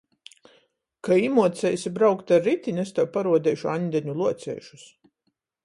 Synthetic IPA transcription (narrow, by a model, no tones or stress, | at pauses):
kaimuɔt̪sɛjsibɾawkt̪aɾːit̪ʲinʲɛst̪awpaɾuɔd̪ʲɛjʃuaɲʲd̪ɛɲulˠuɔt̪sʲɛ̰ːjʃu̥s